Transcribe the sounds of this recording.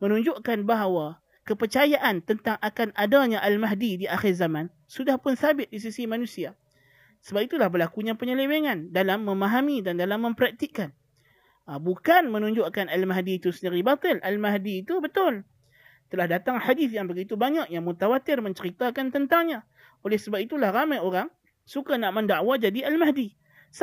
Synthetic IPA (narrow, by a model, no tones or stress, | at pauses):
mənũɲd͡ʒʊʔkanbaɦawa | kəpərt͡ʃajaʔant̪ənt̪aŋʔakanadaɲaʔalmaɦdidiʔaxɪrzamãn | sudahpʊnsabɪt̪̚dis̬isimanũsia | səbap̚it̪ulahbəlakuɲapəɲəleweŋandalamːəmaɦamidandalamːə̃mpəɾak̚t̪iʔkan | əbukanmənũɲd͡ʒʊʔkanalmaɦdiːt̪usəndiɾibat̪ɪlʔalmaɦdiːt̪ubət̪ʊl | t̪əlahdat̪aŋħadiθjaŋbəɡit̪ubaɲaʔjaŋmut̪awat̪ɪrmə̃ɲt͡ʃəɾit̪akant̪ənt̪aŋɲa | olɛhsəbap̚it̪ulahramajoɾaŋ | sukanaʔməndaʔwad͡ʒadialmaɦdi | s